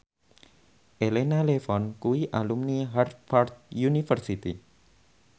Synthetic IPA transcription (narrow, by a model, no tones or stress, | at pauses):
ʔelenalefɔnkuwiʔalumniɦart̪̚fart̪̚junifərsit̪ḭ